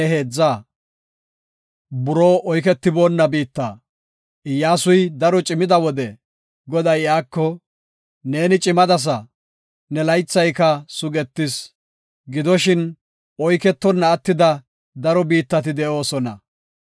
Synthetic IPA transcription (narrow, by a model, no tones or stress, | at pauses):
ɛɦe̞ːd͡zːɐ | bʊɾoːʔɔjk̬ɛt̪ːɪbo̞ːnːɐbiːt̪ːɐː | ɪjːaːsʊjd̪ɐɾɔt͡ʃʼɪmɪd̪ɐwɔd̪ɛ | ɡɔd̪ɐjjaːkːɔ | ne̞ːnɪt͡ʃʼɪmɐd̪ɐs̬ɐ | nɛlɐjt͡sːɐjkɐsʊɡɛt̪ːɪs | ɡɪd̪ɔʃɪn | ɔjkɛt̪ːɔnːɐːt̪ːɪd̪ɐ | d̪ɐɾɔbiːt̪ːɐt̪̬ɪd̪ɛʔo̞ːsɔnɐ̰